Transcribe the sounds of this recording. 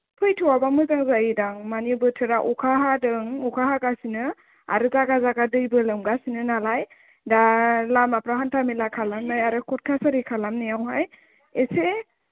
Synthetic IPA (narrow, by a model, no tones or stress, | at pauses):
pʰɯjtʰɯwabamɯzaŋzajidaŋmanibɯtʰɯɾaʔɔkʰaɦadɯŋɔkʰaɦaɡasinɯ | a̰ɾɯzaɡazaɡadɯjbɯlɯmɡasinɯnalaj | dalamapɾaɦantʰamilakʰalamnajaɾɯkʰɔt̚kʰasaɾikʰalamnɯjawɦaj | ese